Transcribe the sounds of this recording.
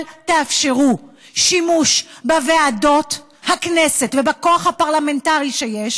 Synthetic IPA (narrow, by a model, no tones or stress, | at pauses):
lteafʃeʁu | ʃimuʃbaveado̞t | haknesetvebako̞aχhapaʁlame̞ntaʁiʃejeʃ